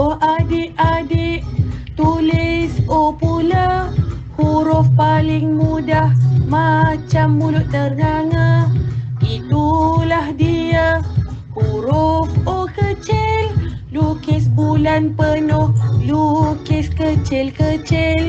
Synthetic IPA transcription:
ohʔadɪʔadɪʔt̪ulɪsopulahuɾʊfpalɪŋmudahmat͡ʃamːulʊt̪̚t̪ərnaŋa | it̪ulahdiahuɾufokət͡ʃɪllukɪsbulanpənohlukɪskət͡ʃɪlkət͡ʃɪl

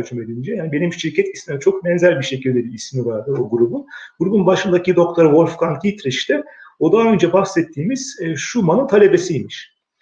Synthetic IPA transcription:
t͡ʃʰymed̪ind͡ʒɛjaːnibe̞nimʃiɾcʰɛt̪ismimɛt͡ʃʰo̞kmɛnzælʲbiʃe̞cʰilʲd̪ed̪iismivaɾd̪ɯɾo̞ɡuɾubunɡ̥uɾubunbaʃɯnd̪acid̪o̞kt̪ʰoɾɯvo̞lʲfkank̪ʰit̪ɾiʃt̪ɛo̞d̪aɦø̞nd͡ʒɛbafsɛt̪ʰːiːmiz̥ʃumanɯnt̪ʰalʲe̞besijmiʃ

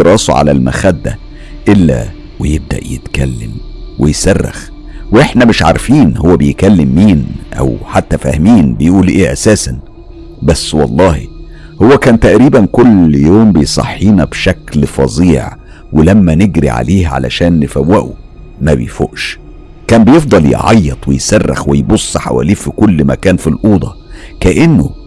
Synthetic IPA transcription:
ɾˤɑːsˤuʕa̰lælmæ̰xæd̪ːæ̰ | ʔelːæ̰ | wejeb̚d̪æ̰ʔjḛt̪kælːɪ̰mwejsærˤːɑ̰x | weʔeħnæmɪʃʕa̰ɾfiːnhowːæbejkælːɪmːiːnʔæ̰wħat̪ːæfæ̰hmiːnbejʔuːlʔeːʔæsæːsæn | bæsːwɑlˤːɑːhi | howːækæːnt̪æʔɾiːbænkolːjoːmbejsˤɑ̰ħːiːnɑbʃæklfɑ̰ziːʕ | welæmːæneɡɾḭʕa̰leːhʕa̰læ̰ʃæːnːfæwːæʔu | mæbḛjfo̰ʔʃ | kæːmbejefd̪ˤɑljḛʕɑ̰jːɑt̪ˤwejsærːɑ̰xwejbosˤːħa̰wæ̰liːfikolːmæ̰kæːnfilʔuːd̪ˤɑkæʔenːo

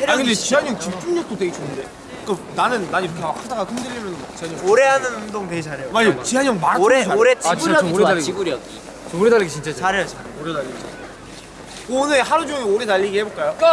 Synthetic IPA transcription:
eɾakɯnnd̪et͡ɕiɦaɲʌŋt͡ɕipt͡ɕ͈ʰuŋɲʌk̚t͈otwe̞ɡet͡ɕoɯnde | kɯnanɯnːaɲiɾokʰemakʰhadaɡakɯndɯɾiimjʌnɯnt͡ɕiɦaɲooɾe̞ɦanɯnɯdoŋtweɡt͡ɕʰaɾejomaot͡ɕiɦaɲʌŋmaɾaoɾeoɾet͡ɕiuɾaoɾeaibuɾiad | t͡ɕoɾedaʎːiɡit͡ɕint͡ɕ͈at͡ɕaɾejot͡ɕaɾoɾedaʎːiɡit͡ɕi | onɯɦaɾud͡ʑoŋeoɾetaʎːiɡiheboɭk͈ajok

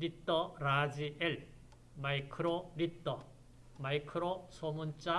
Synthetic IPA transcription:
ɾit͈ːʌɾad͡ʑiʔeɭ | maikʰɯɾoɾit͈ːʌ | maikʰɯɾosʰomunt͡ɕ͈a

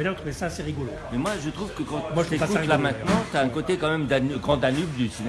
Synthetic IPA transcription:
ɛnɛ̃t̪ʰχuvesaːseʁiɡɔlomɛmwaʒət̪χuvkəkɑ̃t̪ymaʒt̪epkulamɛ̃t̪nɑ̃t̪yaɛ̃kot̪ekɑ̃mɛmd̪anɡʁɑ̃d̪anybd̪ysine

